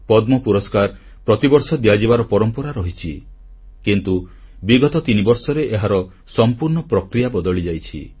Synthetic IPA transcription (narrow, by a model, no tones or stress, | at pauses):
pɔd̪mɔpuɾɔskaɾ | pɾɔt̪ibɔɾsɔd̪iad͡ʒibaɾɔpɔɾɔmpɔɾaɾɔɦit͡ʃʰi | kint̪u | biɡɔt̪ɔt̪inibɔɾsɔɾeʔeɦaɾɔ | sɔmpuɾɳɔpɾɔkɾijabɔd̪ɔɭid͡ʒajt͡ʃʰḭ